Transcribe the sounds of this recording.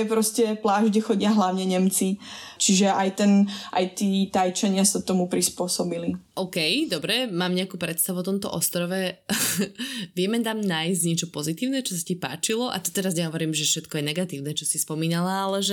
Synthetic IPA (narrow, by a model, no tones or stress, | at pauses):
ɛpɾɔscɛplaːʒɟɛxɔɟɪaɦlaʊɲɛɲɛmt͡sit͡ʃiʒɛʔajt̪ɛnʔa̰jt̪iːt̪ajt͡ʃaɲɪasat̪ɔmupɾispʊɔsɔbiliʔɔːkɛjd̪ɔbɾɛmaːmɲɛakuːpɾɛt̪st̪aʋuɔt̪ɔmt̪ɔ̰ʔɔst̪ɾɔʋɛ | ʋɪɛmɛt̪amnaːjzɟɲɛt͡ʃɔpɔzit̪iːʊnɛt͡ʃɔs̬acipa̰ːt͡ʃilɔʔa̰t̪ɔ̥t̪ɛɾazɲɛɦɔʋɔɾiːmʒɛfʃɛt̪kɔjɛnɛɡat̪iːʊnɛt͡ʃɔsispɔmiːnalaalɛʒɛ